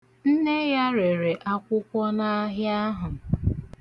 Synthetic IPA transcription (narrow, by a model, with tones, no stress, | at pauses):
n̩˦ne˦ja˦ɾe˨ɾe˨ʔa˦kʷʊ˦kʷɔ˦na˦ɦja˦ɦʊ˨